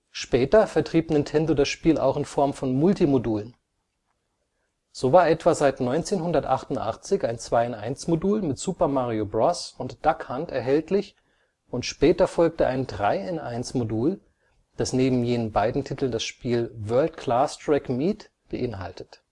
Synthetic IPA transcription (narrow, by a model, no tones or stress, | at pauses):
ʃpɛːtɐfɛɐtʁ̥iːpnɪntʰɛndodasʃpiːla̰ʊxɪnfɔɐmfɔnmʊltimoduːlən | z̥oːvaːɐʔɛtv̥azaɪtnɔʏnt͡seːnɦʊndɐtʔa̰χtʊntʔa̰χt͡sɪçaɪnt͡sv̥aɪɛnʔaɪnsmoduːlmɪtz̥uːpɐmaːʁiobʁɔsʊntd̥akhantɛɐɦɛltlɪç | ʔʊntʃpɛːtɐfɔlk̚təʔaɪndʁaɪɛnaɪnsmoduːl | d̥asneːbm̩jeːnənbaɪdn̩tʰitl̩ndasʃpiːlvɜɐltkʰl̥aːstʁ̥ɛkmiːt | b̥əʔɪnɦa̰ltət